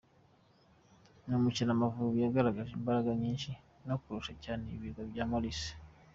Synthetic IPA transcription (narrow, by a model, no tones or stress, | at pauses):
nomucinamavuβujaɡaɾaɡaʒimbaɾaɡaɲiːnʃi | nokuɾuʃacaːneiβiɡaβjaːmolisi̥